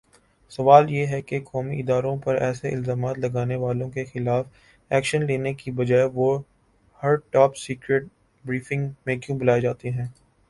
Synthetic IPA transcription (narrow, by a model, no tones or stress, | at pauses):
sɐʋaːljeɦɛkekɔːmiʔɪd̪aːɾõpɐɾɛ̰ːseʔɪlzaːmaːt̪lɐɡaːneʋaːlõkexɪlaːf | ɛːkʃənleːnekibɐd͡ʒaːeʋo | hɐɾʈɔːpsiːkɾeːʈ̚ | bɾiːfɪ̃ŋɡmẽkjũbɐlaːed͡ʒaːt̪eɦɛ̃ː